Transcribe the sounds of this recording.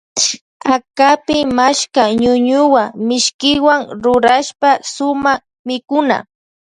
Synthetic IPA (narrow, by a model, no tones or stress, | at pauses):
akapɪmaʃkaɲʊɲʊwamɪʃkɪwaŋɾʊɾaʃpasʊma | mɪkʊna̰